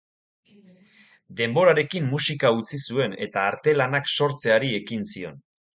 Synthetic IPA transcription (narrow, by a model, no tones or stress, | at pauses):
d̪e̞mbo̞ɾaɾe̞kimːusikaut͡sisue̞ne̞t̪aːɾt̪e̞lanakso̞ɾt͡se̞aɾie̞kinsio̞̰n